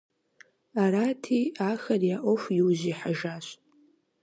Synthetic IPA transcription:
araːtʰiːaːxɐrjaʔʷɔfʷjɪwʑiːħaʒaːɕʼ

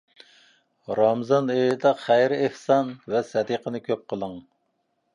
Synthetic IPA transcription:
ɾɑmzɑnejd̪ɑχæjɾɪehsɑnvɛsɛd̪iqənɨkʲʰøp̚qʰəlˠəŋ

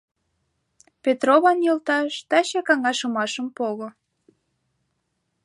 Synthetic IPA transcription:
pet̪roβɑnjɤlt̪ɑʃt̪ɑɕɑkɑŋɑʃɤmɑʃəmpoɣo

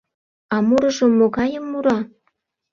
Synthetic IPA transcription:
ɑmuɾɤʒə̆mːoɣɑjəmːuɾɑ

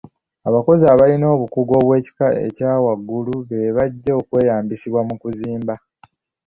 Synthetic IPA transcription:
aβako̞ziaβalino̞ːβukuɡo̞ːβwe̞ːci̥kaḛcaːwaɡːuluβeβaɟːeokwe̞ːjaːmbisiβwamukuziːmba

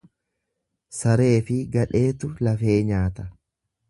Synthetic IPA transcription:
sɐɾe̞ːfɪɡɐᶑe̞ːt̪ʊlɐfe̞ːɲaːt̪ɐ̥

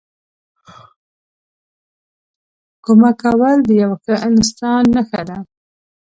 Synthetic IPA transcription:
kʊmakawald̪əjawxəʔɪnst̪ɑnːəxad̪a

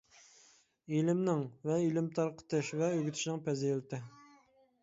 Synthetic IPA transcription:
ilɪmnɪŋvɛilɪmt̪ʰɑɾqə̥t̪ɨʃvɛøɡʲyt̪ʰɪʃinɪŋpʰɛzejlɪt̪ʰɪ

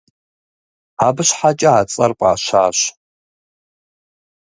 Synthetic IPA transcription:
aːbɨɕħat͡ʃʼɐaːt͡sʼɐrqʷʼa̰ːʃaːɕ

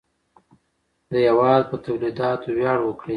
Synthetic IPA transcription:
d̪əjawɑd̪̚pət̪awlid̪ɑt̪owjɑɽwəkɽi

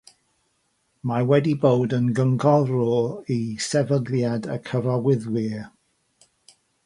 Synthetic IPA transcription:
mawɛdibowdənɡəŋɡɔrɔisɛvəɡljadəkʰəɾɔwɪðwiː

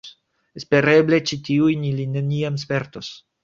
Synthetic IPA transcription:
espe̞ɾeble̞t͡ʃit̪iujnilineniams̬peɾt̪os

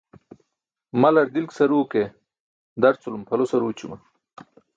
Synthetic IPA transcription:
mɐlɐɾd̪ilksɐɾuːke | d̪ɐɾt͡sulumpʰɐlosɐɾuːt͡ɕumɐ

